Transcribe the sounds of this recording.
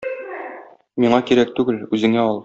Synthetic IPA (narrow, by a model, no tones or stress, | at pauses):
miɴɑkiɾæk̚t̪ʉɡɘlʉzɘ̆ŋæɒlˠ